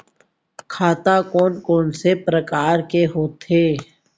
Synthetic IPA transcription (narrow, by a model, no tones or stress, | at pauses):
kʰaːt̪akɔːnkɔːnsepɾəkaːɾkeɦoːt̪ʰeː